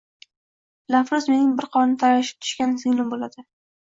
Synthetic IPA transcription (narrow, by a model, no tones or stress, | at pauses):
lafɾʊzmenɪŋbɪɾqʰɒnnɪt̪ʰaɾvaʃɪ̥p̚t̪ʰʊ̥ʃkʲansɪŋlˠɪmbolad̪ɪ